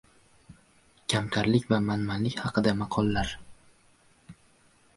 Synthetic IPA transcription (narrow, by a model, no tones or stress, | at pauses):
kʲʰamkʲʰaɾlɪkʲvamanmanlɪkʲhɑqʰɨd̪amɑqʰɒlˠːaɾ